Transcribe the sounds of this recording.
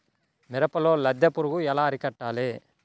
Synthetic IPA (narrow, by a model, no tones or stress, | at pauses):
mɪɾɐpːɐloːlɐd̪ːɐpːʊɾuɣɯɛlaːɐɾɪkɐʈːaːleː